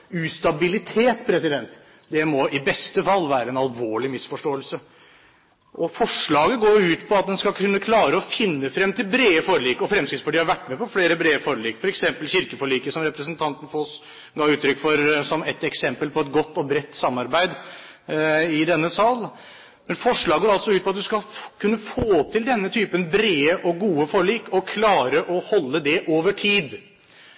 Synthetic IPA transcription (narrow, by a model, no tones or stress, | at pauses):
ʉst̪ɑbɪlɪt̪ʰeːt̪pʰɾɛsɪd̪ɛnt̪ | d̪ɛmɔʔɪbɛst̪əfɑlːʋæːɾəɛnɑlʋoːɭɪmɪsfɔʂʈoːəlsə | ʔɔfɔʂɭɑːɡəɡoːɾʉːt̪pʰɔɑt̪̚d̪ɛnskɑkʰʉnːəkʰlɑːɾəɔfɪnːəfɾɛmːt̪ʰɪlbɾeːəfoːɾliːkɔfɾɛmskɪt̪spʰɑʈiːhɑɾʋæʈːmɛpʰɔfleːɾəbɾeːəfɔɾəɭiːkfɔɾɛksɛmpəlçɪɾkəfɔɭiːkəsɔmɾɛpɾəsnt̪ʰɑnt̪ən̩fɔɔs | ɡɑːʉːt̪ʰɾʏkːfɔɾsɔmɛt̪ɛksɛmpəlpʰɔɛt̪ɡɔt̪ːɔbɾɛt̪ːsɑmːɑɾbæɪd̪ | ɪd̪ɛnːəsɑl | mɛnfɔʂɭɑːɡoːɾɑlt̪sɔʉːt̪pɔɑt̪̚d̪ʉskɑkʰʉnːəfoːt̪ʰɪld̪ɛnːət̪ʰyːpənbɾeːəʔɔɡuːəfɔɾɭiːkɔkʰlɑːɾəʔɔhɔlːəd̪ɛʔoːʋəʈʰiːd̪